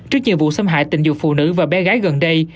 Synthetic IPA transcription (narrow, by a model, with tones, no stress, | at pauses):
t͡ɕɨ˦˥ək̚ɲi˨˩əwvṵ˧˨sə˧mɦa̰ː˧˨jt̪ï˧˨ŋzʊ˨˩fṵ˧˨nɨ̰˧˥vaː˨˩ɓɛ˨˦ɣaː˨˦jɣə˨˩nɗə˧j